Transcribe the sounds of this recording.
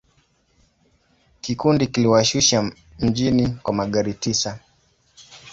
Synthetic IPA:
kikundikiliwaʃuʃa | m̩d͡ʒinikwamaɠaɾitisa

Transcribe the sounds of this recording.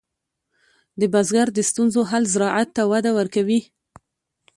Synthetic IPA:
d̪əbazɡaɾd̪əst̪unzoɦalzɪɾɑʔat̪ːawad̪awəɾkawi

